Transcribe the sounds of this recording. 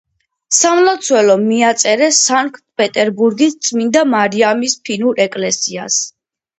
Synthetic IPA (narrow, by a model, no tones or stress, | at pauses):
samlˠat̪sʰwɛlɔmiat̪sʼɛɾɛsaŋkʰʼt̪̚ʰpʼɛt̪ʼɛɾbuɾɡist̪sʼʰmind̪amaɾiamispʰinuɾɛkʼlɛsia̰s